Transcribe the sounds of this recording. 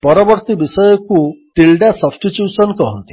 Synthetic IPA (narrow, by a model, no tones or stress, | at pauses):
pɔɾɔbɔɾt̪ibisɔjɔkuʈilɖasɔbsʈiʈjusɔnkɔɦɔnt̪i̥